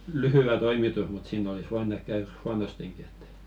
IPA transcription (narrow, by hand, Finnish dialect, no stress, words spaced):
lyhyw̆æ toimitus mut siːn olis ʋoin ehk̆ kæyr huɑnosteŋki et